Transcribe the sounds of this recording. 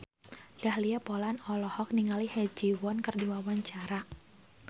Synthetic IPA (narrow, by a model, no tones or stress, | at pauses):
d̥ahliapɔlanɔlɔhɔk̚niŋalihɛd͡ʒiwɔnkɨrdiwawaɲt͡ʃaɾa